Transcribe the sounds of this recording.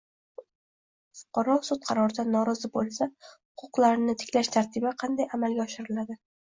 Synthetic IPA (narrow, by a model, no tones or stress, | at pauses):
fʊ̥qʰɑɾɒsʊt̪̚qʰɑɾɒɾd̪anːɒɾɒzɪbolˠsahʊqʰʊqlˠaɾnɪt̪ʰɪ̥kʲʰlaʃt̪ʰaɾt̪ʰɪbaqʰɑnd̪ajamalɡʲaɒʃɪɾɪlad̪ɪ